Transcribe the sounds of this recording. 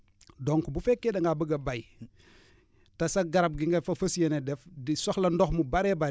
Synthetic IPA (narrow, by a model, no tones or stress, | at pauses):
doŋkubufekːedɐŋɡabəɡɐbaj | tɐsaɡaɾab̚ɡiŋɡefɐfɐsjenedɛfdisoxlɐndoxmubaɾeba